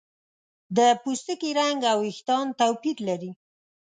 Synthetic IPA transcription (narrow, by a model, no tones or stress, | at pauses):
d̪əpust̪əkiɾaŋɡawɪxt̪ɑnt̪awpid̪laɾi